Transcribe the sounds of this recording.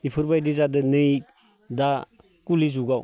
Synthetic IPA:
ipʰɯɾbajdizadɯnɯj | da | kulizuɡaw

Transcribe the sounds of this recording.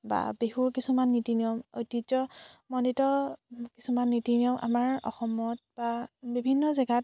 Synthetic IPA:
ba̰beɦuɹkisumanːitiniɔmo̰jtid͡ʒɔmɔnitɔkisumanːitiniɔmʔa̰maɹɔ̰xɔmɔt̚b̥abibʱinːɔzɛɡat̚

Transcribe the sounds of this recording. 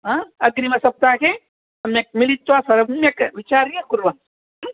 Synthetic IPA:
ɦãɐɡɾimɐsɐp̚t̪ake | ɐmek̚milit̪ːwasɐɾɐmekʋit͡ʃaːɾiãkʊɾʋan

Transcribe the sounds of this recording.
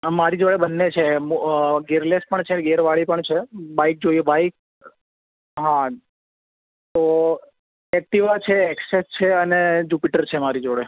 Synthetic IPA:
maɾid͡ʒoɽebənːet͡ʃʰemɡeɾlespəɳt͡ʃʰeɡeɾʋaɭipəɳt͡ʃʰebaik̚d͡ʒojubaik̚ | ɦã | t̪o | ɛk̚ʈiʋat͡ʃʰeːksest͡ʃʰeəned͡ʒupiʈəɾt͡ʃʰemaɾid͡ʒoɽe

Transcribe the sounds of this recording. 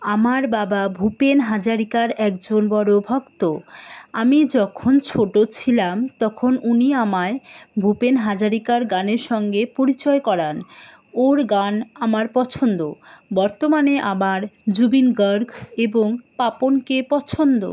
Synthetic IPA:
amaɾbababʱupenɦad͡ʑaɾikaɾɛkd͡ʑonbɔɾobʱɔkt̪oamid͡ʑɔkʰont͡ɕʰoʈot͡ɕʰilamt̪ɔkʰonuniamaebʱupenɦad͡ʑaɾikaɾɡaneɾʃɔŋɡepoɾit͡ɕɔekɔɾan | oɾɡanamaɾpɔt͡ɕʰond̪obɔɾt̪omaneʔamaɾd͡ʑubinɡəɾɡeboŋpaponkepɔt͡ɕʰond̪o̰

